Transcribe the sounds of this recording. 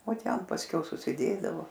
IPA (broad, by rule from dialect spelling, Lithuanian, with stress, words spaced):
oː ˈtʲɛn pɐsʲˈkʲɛʊ sʊsʲɪˈdʲeːdɐʋoː